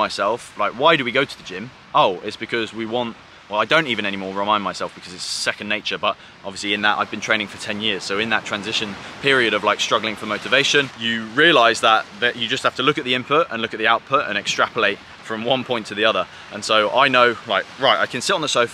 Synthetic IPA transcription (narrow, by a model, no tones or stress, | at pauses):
aɪsɛlˠflaɪkwaɪdəwiɡoʊtʰəðəd͡ʒɪ̃m | oʊɪtsb̥ɨkʰʌzwiwɒ̃nt | wɛlaɪdõʊ̃ntivɨ̃ñɛnimɔːɹɹɪmãɪ̃nmaɪsɛlˠfb̥ɪkʰʌzɪtssɛkə̃nneɪt͡ʃəbʌt | ʔɒbviəsliɪ̃nðəta̰ɪvb̃n̥ʰẽɪ̃nɪ̃ŋfətʰɛ̃njɪəz̥soʊɪ̃nðətʰɹ̥æ̃nzɪʃə̃npʰɪəɹiɨɾəvlaɪkstɹ̥ʌɡlˠɪ̃ŋfəməʊtɨveɪʃə̃njəɹiəlaɪzðəʔ̚ðəʔɨd͡ʒʌst̚haftəlʊkɨʔ̪ðiɪ̃mpʰʊtə̰̃nlʊkɨt̪̚ðiaʊt̚pʰʊtə̰̃ñɛkstɹ̥apəleɪt | fɹə̃mwʌ̃npʰɔ̃ɪ̃ntʰəðiʌðə˞ | ʔə̃nsoʊʔaɪnoʊlaɪkɹaɪta̰ɪkʰɨ̃nsɪtn̩ðəsəʊf